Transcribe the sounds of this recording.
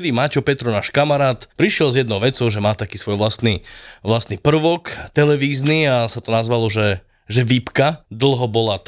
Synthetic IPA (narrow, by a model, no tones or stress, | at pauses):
d̪iːmacɔpɛt̪ɾɔnaːʃkamaɾaːt̪pɾiʃɪɛlzjɛd̪nɔʊʋɛt͡sɔʊʒɛmaːt̪akiːsʋɔjʋlast̪niʋlast̪nipr̩ʋɔkt̪ɛlɛʋiːzniasat̪ɔnazʋalɔʒɛ | ʒɛʋipkad̪l̩ˠɦɔbɔlat̪